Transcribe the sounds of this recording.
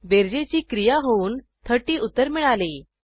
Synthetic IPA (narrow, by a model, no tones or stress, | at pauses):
beɾd͡ʑet͡ɕiːkɾijaɦouːn | t̪ʰəʈiːʔut̪ːəɾmiɭali